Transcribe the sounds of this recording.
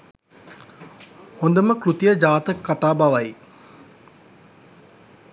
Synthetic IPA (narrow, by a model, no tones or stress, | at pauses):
hond̪əməkɾut̪ijəd͡ʒaːt̪əkːaʈaːbaʋaj